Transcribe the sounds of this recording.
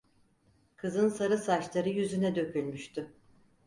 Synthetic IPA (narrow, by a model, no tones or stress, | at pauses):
kʰɯzɯnsaɾɯsat͡ʃlˠaɾɯjyzynɛd̪ø̞cʰʲylʲmyʃt̪ʰy